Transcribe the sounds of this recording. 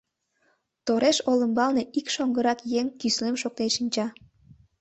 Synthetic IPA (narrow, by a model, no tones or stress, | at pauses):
t̪oɾeʃoləmbɑlneʔikʃoŋɡəɾɑkjeŋkyslemʃok̚t̪enʃint͡ɕɑ